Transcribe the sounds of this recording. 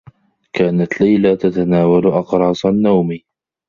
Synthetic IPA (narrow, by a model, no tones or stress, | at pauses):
kaːnat̪lajlat̪at̪anaːwalʔɑqɾˤɑːsˤanːawmi